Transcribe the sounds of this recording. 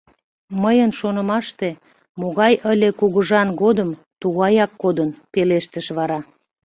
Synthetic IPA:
məjənʃonə̆mɑʃt̪e̽ | moɣɑjəlʲekuɣəʒɑnɣod̪əm | t̪uɣɑjɑkːod̪ənpeleʃt̪əʃβɑɾɑ

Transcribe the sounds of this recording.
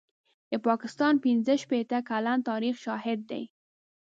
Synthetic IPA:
d̪əpɑkɪst̪ɑnpɪnzəʃpet̪akalant̪ɑɾixʃɑhɪd̪̚ːa̰j

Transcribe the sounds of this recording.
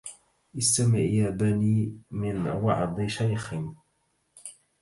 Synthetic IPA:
ʔɪst̪amɪʕjaːbaniːmɪnwɑ̰ʕd̪ˤɨʃajxɪn

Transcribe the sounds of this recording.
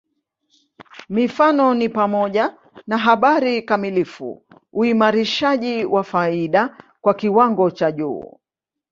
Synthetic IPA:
mifanɔnipamɔʄa | naɦaɓaɾikamilifṵ | uimaɾiʃaʄiwafaiɗakwakiwaŋɡɔt͡ʃaʄṵː

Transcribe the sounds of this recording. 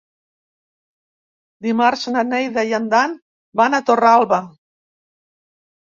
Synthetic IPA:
d̪imaɾsnanejðajand̪an | banat̪oralβa

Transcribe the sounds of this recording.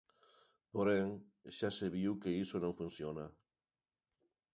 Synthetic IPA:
poɾeŋʃaseβiwkeisonõŋfunsjona

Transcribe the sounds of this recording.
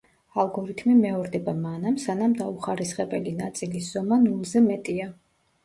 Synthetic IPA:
alˠɡɔɾit̪ʰmimɛɔɾd̪ɛbamanamsanamd̪auχaɾisχɛbɛlinat̪sʼilisz̥ɔmanulˠzɛmɛt̪ʼia

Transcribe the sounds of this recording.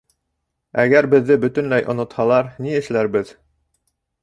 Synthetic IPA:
æɡæɾbɘ̆ðːɘbɵ̆t̪ɵ̆nlæjʔŏnŏt̪hɑlˠɑɾniɘ̆ʃlæɾbɘð

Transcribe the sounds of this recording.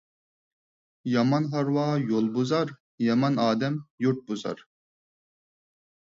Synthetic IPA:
jɑmɑnɦɑɾwɑːjolˠbuzɑɾ | jɑmɑnɑːd̪ɛmjuɾt̪̚buzɑ̰ɾ

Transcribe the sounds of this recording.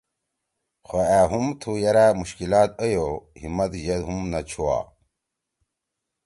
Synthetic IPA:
xoæɦumt̪ʰujɐɾamuɕkilaːt̪̚əjohimɐt̪ʑɐd̪ɦumnɐt͡ɕʰuwa̰ː

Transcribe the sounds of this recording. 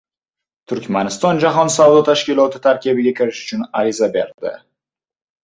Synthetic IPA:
t̪ʰʊɾkʲmanɪst̪ɒnd͡ʒaɦɒnsawd̪ɒt̪ʰaʃkʲilˠɒt̪ʰɪt̪ʰaɾkʲibɪɡʲakʲʰɪɾɪʃʊ̥t͡ʃʰʊnaɾizabḛɾd̪ɪ̰

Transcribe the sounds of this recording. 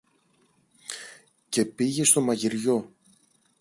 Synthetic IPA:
ce̞piʝe̞st̪o̞mɐʝiɾʝo̞

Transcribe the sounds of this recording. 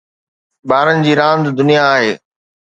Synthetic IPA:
ɓaːɾənɪ̆d͡ʑiːɾãːnd̪d̪ʊnijaːɦeː

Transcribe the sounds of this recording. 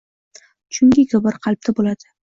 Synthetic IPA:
t͡ʃʰʊŋɡʲɪkʲʰɒbaɾqʰɑlˠp̚t̪ʰabolad̪̥ɪ

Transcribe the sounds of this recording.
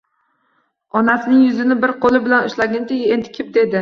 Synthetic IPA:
ɒnasɪnɪŋjʊzɪnɪbɪɾqʰolˠɪbɪlanʊʃlaɡʲɪnt̪eɡʲend̪ɪkʲʰɪp̚d̪e̞d̪ɪ

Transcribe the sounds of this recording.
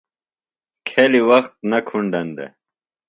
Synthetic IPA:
kʰeliwɐxt̪̚nɐkʰuɳɖɐnd̪ḛ

